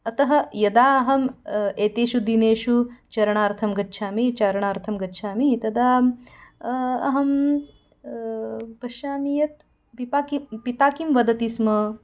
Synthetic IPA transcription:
ɐt̪ɐɦɐ̆jɐd̪aːɐɦɐmeːt̪eːʃud̪ineːʃut͡ʃɐɾɐɳaːɾt̪ʰɐmɡɐtːʃʰaːmit͡ʃaːɾɐɳaːɾt̪ʰɐmɡɐtːʃʰaːmit̪ɐd̪aː | ɐ̰ɦɐm | pɐʃaːmijɐt̪̚ | pipaːkipit̪aːkimʋɐd̪ɐt̪ismɐ

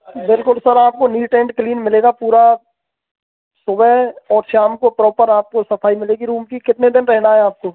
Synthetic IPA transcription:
bɪlkʊlsəɾaːp̚koniːʈẽːɳʈkliːnmɪleːɡapuːɾa | sʊbəɔːɾʃaːmkopɾɔːpəɾaːp̚kosɐpʰaːimɪleːɡiɾuːmkikɪt̪ned̪ɪnɾɛɦnaɦɛaːp̚koː

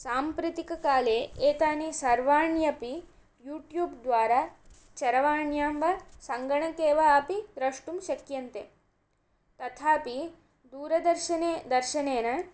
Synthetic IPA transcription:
saːmpɾɪt̪ikɐkaːleːeːt̪aːneːsɐɾʋaːɳjɐpi | juːʈjuːbd̪ʋaːɾaː | t͡ʃɐɾɐʋaːɳjaːmbɐsɐŋɡɐɳɐkeːʋɐːpid̪ɾɐʂʈumʃɐkjɐnt̪e | t̪ɐt̪ʰaːpi | d̪uːɾɐd̪ɐɾʃɐned̪ɐɾʃɐneːnɐ

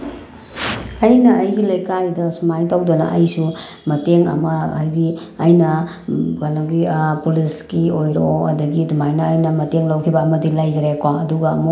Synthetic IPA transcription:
ɐjnɐːjɡilɐjkajdɐsumajtawdɐnɐ̰ʔɐjsu | mɐteŋɐ̰mɐajdiɐjnɐ | kanaɡipuliskiojɾ̰oɐ̰dɐɡidumajnɐːjnɐmɐteŋlawkʰibɐːmɐdilajɡɾekaŋɐduɡɐmo

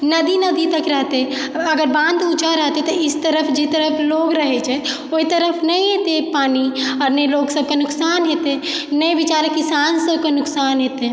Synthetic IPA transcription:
nəd̪inəd̪it̪əkɾəɦt̪e | əɡəɾbãnd̪ut͡ʃaɾəɦt̪et̪ɔɪst̪əɾəpʰd͡ʒet̪əɾəpʰloɡɾəɦet͡ʃʰɛ | oit̪əɾəpʰnəjɦet̪epaniɔːɾnəjloɡsəb̚kenʊksanɦet̪enəjbit͡ʃaɾəkːisansəb̚kenʊksanɦet̪e

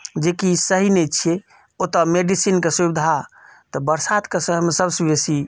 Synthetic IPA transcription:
d͡ʒekisəɦinɛt͡ʃʰie | ot̪əmeɖisinkesubid̪ʱat̪ɔbəɾsat̪kesəɦmesəbsibesi

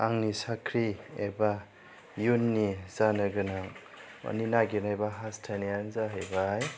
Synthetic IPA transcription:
aŋnisakʰɾiḛba | junːiz̥anɯɡɯnaŋ | a̰ninaɡinajbaɦastʰanianzaɦajbaj

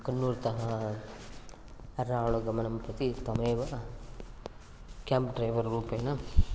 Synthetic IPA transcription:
kɐnːuːɾt̪ɐɦɐ | ɐɾaːɭuɡɐmɐnɐmpɐt̪it̪ɐmeːʋɐ | kʲaːmpɖɾɐjʋɐɾːuːpɐjnɐ

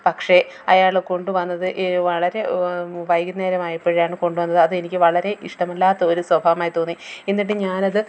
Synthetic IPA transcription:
pɐkʂe̞ | ɐjaːɭko̞ɳɖɨʋɐnːɐðɨʔeʋɐɭɐɾe̞ʋɐjɡɨnːeːɾɐmaːjipːeɻijaːɳɨko̞ɳɖuʋɐnːɐðɨɐðɨenikʲːɨʋɐɭɐɾe̞ʔiʂʈɐmɐlːaːt̪ːɐoɾuswɐbʱaːʋɐmaːjit̪o̞ːnːienːiʈːɨɲaːnɐðɨ

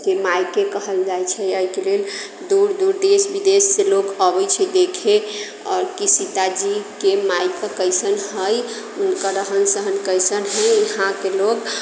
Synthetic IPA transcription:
kemajkekəɦəld͡ʒajt͡ʃʰɛəikelel | d̪uɾd̪uɾd̪esbid̪esːelokəbəjt͡ʃʰɛd̪ekʰe | ɔːɾkisit̪ad͡ʒikemajkəkəjsənɦəj | unkəɾəɦənsəɦənkəjsənɦəjəɦãkelok

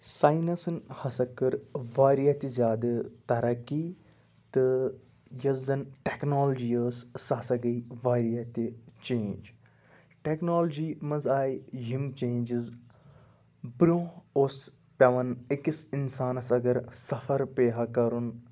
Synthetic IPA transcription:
saːjnɐsnhɐsɐkɐɾʋaːɾiɐt̪izjaːd̪ɐt̪ɐɾɐki | t̪ɨ | jɐzɐnʈeknoːld͡ʒijəːssasɐɡɐiʋaːɾijɐt̪it͡ʃẽːnd͡ʒ | ʈeknoːld͡ʒiːmɐzaːiɦimt͡ʃẽːnd͡ʒiz | bɾõːos | pʲɐʋɐnikisinsaːnɐsɐɡɐɾsɐfʰɐɾpeːɦɐkɐɾun

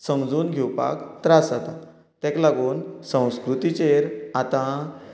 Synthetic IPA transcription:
səmd͡zuːnɡʱɛwpa̰kt̪ɾasat̪a | t̪ɛ̃klaɡuːnsə̃w̃skɾut̪it͡ɕeɾat̪ã

